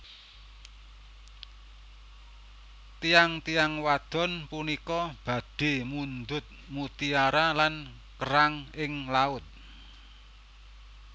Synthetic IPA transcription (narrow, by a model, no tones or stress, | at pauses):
t̪iaŋt̪ijaŋwad̪̥ɔ̤npunikɔb̥a̤d̪̥e̤mund̪ʊt̪̚mut̪iaɾalan | kəɾaŋɪŋlaʊt̪̚